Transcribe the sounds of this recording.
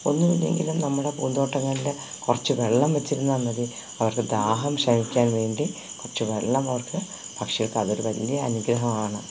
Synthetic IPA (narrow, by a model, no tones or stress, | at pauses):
o̞nːuʋinːe̞̰ŋɡilumnɐmːuɽe̞puːnd̪o̞ːʈːɐŋːɐɭile | kurɐt͡ɕːuʋeɭːɐmʋɐt͡ɕːiɾunːamɐði | ɐʋɐrkɨd̪aːɦɐmɕɐmikʲːaːnʋe̞ːɳɖi | kurɐt͡ɕːɨʋeɭːɐmɐʋɐrkɨ | bʱɐkʂɐɣɐɭkɨɐðo̞ɾuʋɐlːjɐɐ̰nuɡɾɐɦɐmaːɳɨ